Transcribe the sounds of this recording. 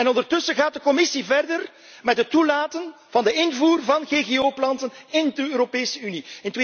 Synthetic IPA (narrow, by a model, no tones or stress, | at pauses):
ɛnɔndərtɵsəɣaːt̚dəkɔmɪsivɛrdər | mɛtɦətːulaːtən | vɑndəɪnvuːrvɑnɣeɣeoːplɑntənɪndəøːɾopeːsəyniɪnte